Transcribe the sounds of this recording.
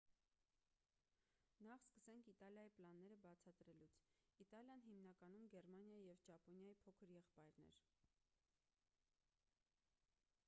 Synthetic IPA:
nɑχskəsɛŋkʰit̪ɑljɑjiplɑnːɛɾəbɑt͡sʰɑt̪ɾɛlut͡sʰit̪ɑljɑnɦimnɑkɑnumɡɛɾmɑnjɑjijɛvt͡ʃɑpɔnjɑjipʰɔkʰəɾjɛχpɑjɾnɛ̰ɾ

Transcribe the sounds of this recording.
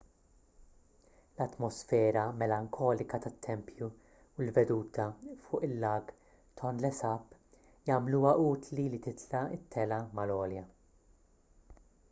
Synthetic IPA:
lɐt̪mɔsfɛːɾɐmɛlɐŋkʰɔːlɪkɐt̪ɐt̪ʰːɛmpju | wlvɛd̪uːt̪ʰɐfʊːʔɪlːɐːɡ | t̪ʰɔnlɛsɐpː | jɐmluːwɐʔuːt̪lilit̪ɪt̪ʰlɐɪt̪ʰːɛlɐmɐlɔːljɐ

